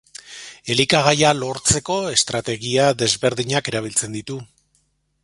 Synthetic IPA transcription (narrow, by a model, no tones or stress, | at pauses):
e̞likaɣ̞ajalo̞ɾt͡se̞ko̞e̞st̪ɾat̪e̞ɣiaðe̞zβe̞ɾðiɲake̞ɾaβ̞ilt͡se̞nd̪it̪u